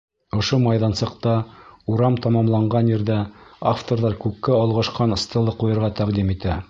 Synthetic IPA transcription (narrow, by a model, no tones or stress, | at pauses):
ŏʃomɑjðɑnsɤ̆qt̪ɑuɾɑmt̪ɑmɑmlˠɑɴɢɑnjɘ̆ɾðæaft̪oɾðɑɾkʉkːæɑlˠʁɑʃqɑnɤ̆st̪ɤ̆lˠɤqujɤ̆ɾʁɑt̪æqd̪imit̪æ